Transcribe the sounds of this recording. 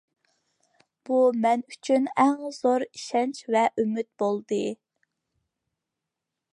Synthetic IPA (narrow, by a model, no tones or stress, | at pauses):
b̥umɛnyt͡ʃʰynæŋz̥oɾi̥ʃɛnt͡ʃvɛʔymyt̪̚bolˠd̪ɨ